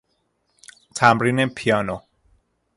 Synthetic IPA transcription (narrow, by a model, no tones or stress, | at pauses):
t̪ʰamɾinepʰiano